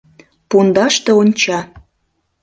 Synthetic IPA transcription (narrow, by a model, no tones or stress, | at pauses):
pund̪ɑʃt̪ɤ̆onʲt͡ɕɑ